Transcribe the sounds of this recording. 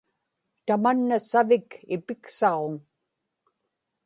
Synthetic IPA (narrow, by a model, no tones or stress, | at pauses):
t̪amanːasavɪkɪpɪksɑʁoŋ